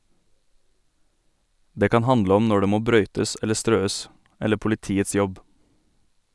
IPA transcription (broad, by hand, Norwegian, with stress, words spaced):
ˈdeː ˈkɑːn ˈhɑndlə ˈɔm ˈnɔ ˈɖeː ˈmoː ˈbɾœʏtəs ˈɛlə ˈstɾøːəs ˈɛlə pʊlɪˈtiːəts ˈjɔb